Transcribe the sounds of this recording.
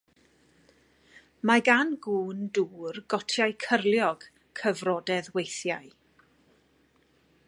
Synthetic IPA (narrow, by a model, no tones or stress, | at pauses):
maɡanɡuːnduːrɡɔtʰjajkʰərlˠjɔɡ̥ | kʰəvrɔdɛðwejθjaj